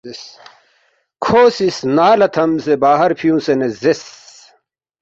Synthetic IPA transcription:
s | kʰoːsisnaːlɐt̪ʰɐmsebaːɦɐɾpʰijũːsenezes

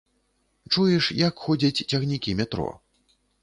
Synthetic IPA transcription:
t͡ʂujɛʂjɐkxɔd͡zʲɐt͡sʲt͡sʲɐɣnʲikʲimʲɛt̪ɾɔ̰

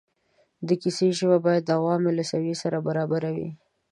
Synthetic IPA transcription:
d̪əkiseʒəbabɑjad̪ːawɑmelasawisaɾabaɾɑbaɾawḭ

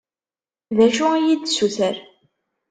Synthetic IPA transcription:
ðæʃuæjid̪suθəɾ

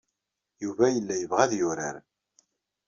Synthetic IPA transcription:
juvæjəlːæjəvʁæðjʊɾa̰ɾ

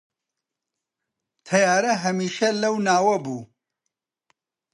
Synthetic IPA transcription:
t̪ʰɐjaːɾɐɦɐmiːʃɐlɐwnaːwɐbuː

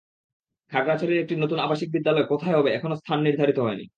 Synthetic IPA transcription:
kʰakɾat͡ɕaɾeɾek̚ʈinot̪unabaʃik̚bid̪ːalɔekot̪ʰaeɦɔbeɛkʰonost̪ʰanːiɾd̪ʱaɾit̪oɦɔenḭ

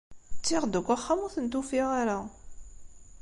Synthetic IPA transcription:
t͡sːɪʁd̪əkʷːaχːamʊθənt̪ufiʁaɾa

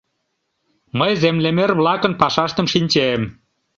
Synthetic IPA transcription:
məjzemlemerβlɑkə̆npɑʃɑʃt̪ə̆mʃinʲt͡ɕem

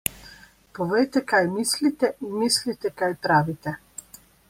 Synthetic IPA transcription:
pɔʋɛjt̪ɛkajmislit̪ɛʔinmislit̪ɛkajpɾaːʋit̪ɛ

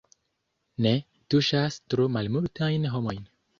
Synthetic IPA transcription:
ne | tuʃastɾumalmultajnɦo̞mo̞jn

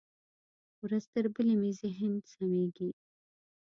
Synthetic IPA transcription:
wɾazt̪əɾbəlemezɪɦɪnsameɡi

